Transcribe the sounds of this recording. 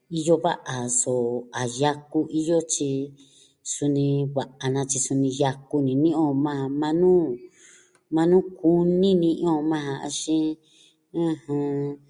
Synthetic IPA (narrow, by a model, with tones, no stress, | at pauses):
i˧jo˧βa̰˦ʔa˨so˨a˨ja˧ku˦ʔi˦jo˦t͡ʃi˧ | su˧nĩ˧βa˨ʔa˨nã˧t͡ʃi˧su˧nĩ˧ja˧ku˦nĩ˨nĩ˦ʔõ˦˨mã˦a˧mã˧˦nũː˦ | mã˧nũː˦ku˦nĩ˦nĩ˧ʔõ˦˨mã˦ã˧a̰˧ʃĩ˦ | ã˦hã˧